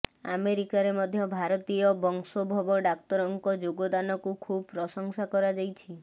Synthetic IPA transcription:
a̰meɾikaɾemɔd̪ʱjɔbʱaɾɔt̪ijɔbɔŋsɔbʱɔbɔɖak̚t̪ɔɾɔŋkɔd͡ʒoɡɔd̪anɔkukʰubpɾɔsɔŋsakɔɾad͡ʒajt͡ʃʰi

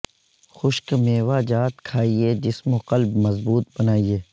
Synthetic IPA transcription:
xʊʃkmeːʋaːd͡ʒaːt̪kʰaːied͡ʒɪsmoqɐlbmɐzbuːt̪̚bɐnaːieː

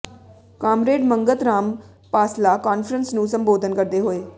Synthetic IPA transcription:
kaːmɾeːɖməŋɡət̪ɾaːm | paːslaːkaːnfʰəɾənsnũːsəmboːd̪ənkəɾd̪eːɦoːeː

